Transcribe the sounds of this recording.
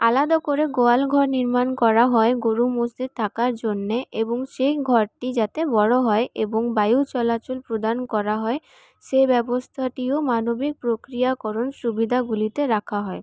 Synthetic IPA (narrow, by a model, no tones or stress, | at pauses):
alad̪akoɾeɡoalɡʱɔɾniɾmankɔɾaɦɔeɡoɾumosd̪id̪̚t̪ʰakaɾd͡ʑonːeʔeboŋʃejɡʱɔɾʈid͡ʑat̪ebɔɽoɦɔeʔeboŋbajut͡ɕɔlat͡ɕolpɾod̪ankɔɾaɦɔe | ʃebɛbost̪ʰaʈiomanobik̚pɾokɾijakɔɾonʃubid̪ʱaɡulit̪eɾakʰaɦɔe